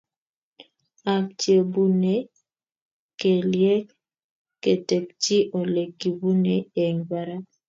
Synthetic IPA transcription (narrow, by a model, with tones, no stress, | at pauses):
a˨k̚t͡ʃje˨bu˦ne˨ | ke˨ljɛ˦k | kːe˨te˨kt͡ʃi˦ʔo˨le˨kːi˨bu˦ne˨e˨ŋba˨ɾa˦